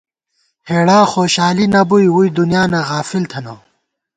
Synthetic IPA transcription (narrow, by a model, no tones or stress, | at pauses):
heːɽaːxoːɕaːlinɐbujwuid̪unijaːnɐɣaːfilt̪ʰɐno